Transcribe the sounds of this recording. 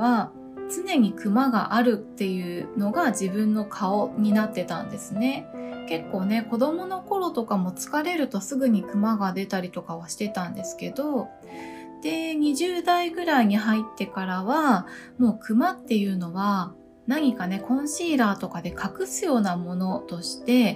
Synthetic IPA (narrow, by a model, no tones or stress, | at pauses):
βa | t͡sɨne̞ɲ̟ikɯ̟maɡa̰ʔaɾɯ̟t̪ːe̞jɯ̟no̞ɡad͡ʑibɯ̟̃nːo̞kʰao̞ɲ̟inat̪ːe̞t̪ã̰nd̪e̞sɨne̞ke̞kːo̞ːne̞ko̞d̪o̞mo̞no̞ko̞ɾo̞t̪o̞kamo̞t͡sɨ̥kaɾe̞ɾɯ̟t̪o̞sɨɡɯ̟ɲ̟ikɯ̟maɡad̪e̞t̪aɾʲit̪o̞kaβaɕi̥t̪e̞t̪ãnd̪e̞sɨ̥ke̞d̪o̞ | d̪̥e̞ɲ̟iʑɨːd̪aiɡɯ̟ɾaiɲ̟iɦait̪ːe̞kaɾaβamo̞ːkɯ̟mat̪ːe̞jɯ̟ːno̞βa | naɲ̟ikane̞kõ̞ɰ̃ɕiːɾaːt̪o̞kad̪e̞kʰakɯ̟sɨjo̞ːnamo̞no̞t̪o̞ɕi̥t̪e̞